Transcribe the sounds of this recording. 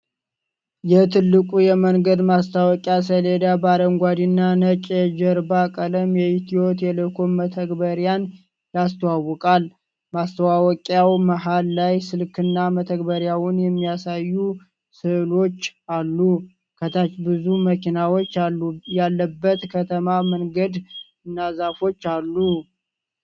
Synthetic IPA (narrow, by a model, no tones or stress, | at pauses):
jɛt̪ʰɨlːɨkʼujɛməŋɡəd̪mast̪ʰawɔkʼjas̬əled̪abaɾəŋɡʷad̪inːanət͡ʃʼɛd͡ʒəɾbakʼələmjɛit̪ʰio̞t̪jɛləkʰoːət̪ʰəɡbəɾjan | jast̪ʰəwawɔkʼal | mast̪ʰəwawɔkʼjawməɦalːajsɨlkʰɨnːamət̪ʰəɡbəɾjawʊnjɛmːijasajːu | sɨʔlo̞t͡ʃːalːu | kʰət̪ʰat͡ʃbɨzuməkinawo̞t͡ʃːajalːəbːət̪kʰət̪ʰəmaməŋɡəd̪ | ɨnːazafo̞t͡ʃːalːu